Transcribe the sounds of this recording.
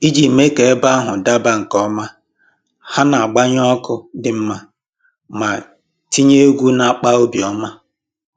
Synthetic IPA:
i˦d͡ʒi˨me˦ke˨e˦ba˦ɦʊ˨da˦ba˨ŋ̩˨kɔ˦ma˦ | ha˦na˨a˨ɡ͡ba˦ɲ˦ɔ˦kʊ˦dɪ˨m̩˦ma˦ | ma˨ | ti˦ɲe˦ɡʷu˦na˦˨k͡pa˦o˦bi˨ɔ˦ma˦

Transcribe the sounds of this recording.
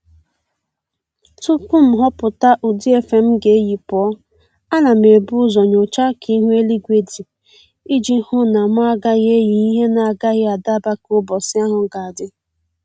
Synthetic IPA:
tu˦ku˦m̩˨ɦɔ˦pʊ˨ta˦ʔu˨di˦e˦fe˨m̩˦ɡe˨e˦ji˨pɔ˦ | a˦na˨me˨bʊ˦zɔ˨ɲo˨t͡ʃa˦kʰi˦ɦʷe˦li˦ɡʷe˨di˨ | i˦d͡ʒi˦hʊ˦na˨ma˦a˦ɡa˦ɣe˦ji˨i˦ɦe˦na˨a˨ɡa˦ɣɪ˦a˨da˦ba˦kʊ˦bɔ˨sɪ˦a˦ɦʊ˨ɡa˨a˨dɪ˦

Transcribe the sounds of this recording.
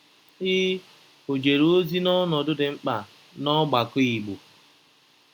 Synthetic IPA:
ɪ˦ | o˨d͡ʒe˨ɾo˦zi˦nɔ˦nɔ˨dʊ˦dɪ˨ŋ͡m̩˦k͡pa˨ | nɔ˦ɡ͡ba˨kʊ˦i˨ɡ͡bo˨

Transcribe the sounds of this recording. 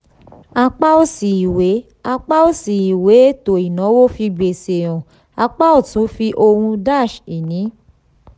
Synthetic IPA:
a˧k͡pa˦o˦si˨i˨we˨˦ | a˧k͡pa˦o˦si˨i˨we˨˦e˦to˨i˨nɔ̃˨˦wo˦˨fi˧ɡ͡be˨se˨ɾ̃ɔ̃˨ | a˧k͡pa˦o˦˨tũ˨˦fi˧ʔo˧hũ˧da˦˨ʃi˨nĩ˨˦

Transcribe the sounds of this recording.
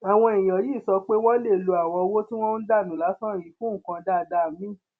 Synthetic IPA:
a˨w̃ɔ̃˧i˨j̃ɔ̃˨ji˦˨sɔ˧k͡pe˦w̃ɔ̃˦le˦˨lo˧a˨w̃ɔ̃˧wo˦ti˦w̃ɔ̃˦n̩˦da˦˨nũ˨˦la˨˦sɔ̃˦˨ɾi˨˦fũ˦ŋ̩˨kã˧da˦˨da˧˨mĩ˦˨

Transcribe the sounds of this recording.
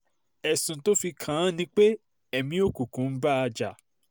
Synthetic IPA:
ɛ˨sũ˨to˦fi˧kʰã˨˦nĩ˧˦k͡pe˦ | ɛ˨mĩ˧o˦ku˨kũ˨˦n̩˦ba˦a˧d͡ʒa˨

